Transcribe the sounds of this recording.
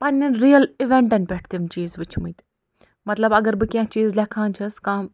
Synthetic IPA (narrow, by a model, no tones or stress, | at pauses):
pɐnɐnɾiːəliʋẽɳʈɐnʲpeʈʰt̪imt͡ʃiːzʋɪt͡ʃʰmũt̪ | mɐt̪ləbɐɡəɾbɨkʲjãːt͡ʃiːzlekʰãːnt͡ʃʰɐskãː